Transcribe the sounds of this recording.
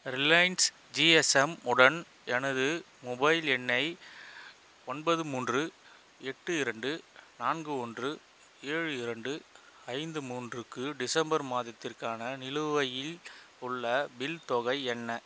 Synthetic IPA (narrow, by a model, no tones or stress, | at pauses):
ɾɪlɐjns | d͡ʒiɛsɛmʊɽɐn | ɛnɐðɯ | mɔbɐɪlɛnːɐɪ | ɔnbɐðɯmuːndrɯ | ɛʈːɯɪɾɐɳɖɯnaːnɡɯɔndrɯ | eːɻɯɪɾɐɳɖɯ | ɐɪnd̪ɯmuːndrɯkːɯɖɪsɐmbɐɾmaːðɐt̪ːɪrkaːnɐnɪlɯʋɐjɪl | ʊɭːɐbɪlt̪ɔɣɐɪɛnːɐ